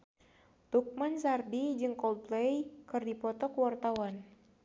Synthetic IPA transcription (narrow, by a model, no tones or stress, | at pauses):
t̪uk̚mansardid͡ʒɨŋkɔld̚plɛjkɨrdipɔt̪ɔkəwart̪awan